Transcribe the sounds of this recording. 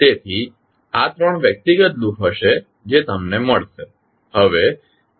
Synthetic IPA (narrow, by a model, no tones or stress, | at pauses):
t̪et̪ʰi | at̪ɾəɳ̃ʋjək̚t̪iɡət̪̚d̪ukʰɦəʃe | d͡ʒet̪əmneməɭʃe | həʋe